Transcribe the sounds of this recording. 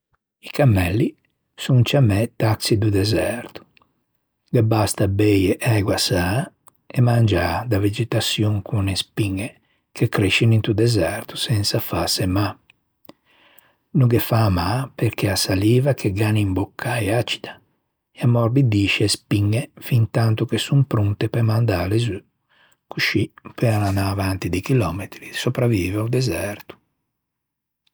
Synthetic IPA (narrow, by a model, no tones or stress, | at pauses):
ikamːɛlːi | sunt͡ʃamɛt̪aksid̪ud̪ɛzɛɾt̪u̥ | ɡebast̪abɛjeʔɛɡwasa | ɛmand͡ʒaːd̪aved͡ʒɛt̪asjuŋkʰunɛspiŋːe | kekɾeʃinint̪ud̪ɛzɛɾt̪u̥sɛnsafasɛma | nuɡɛfamapeɾkʰɛasaliːvakʰeɡanimbɔkʰːaɛat͡ʃi̥d̪ḁ | ɛamɔɾbid̪iːʃɛɛspiŋːɛfint̪ant̪ukesumpɾunt̪ɛpɛmand̪aːlezy | kuʃipɛananaːvant̪id̪ikilɔmet̪ɾisopɾaviːvaud̪ɛzɛɾt̪u̥